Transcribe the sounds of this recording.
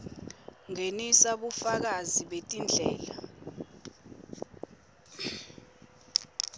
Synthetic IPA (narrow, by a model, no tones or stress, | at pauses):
ŋenisaɓufak̬aziɓetʼind͡ɮʱɛ̰ːla̰